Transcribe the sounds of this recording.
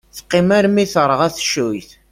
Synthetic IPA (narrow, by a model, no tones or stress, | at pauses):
θqːimæɾmiθəɾˤəʁæθʃujθ